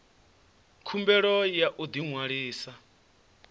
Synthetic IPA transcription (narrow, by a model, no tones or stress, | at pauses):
kʰumbɛɺɔjaʔud̪iŋwaɺiːsa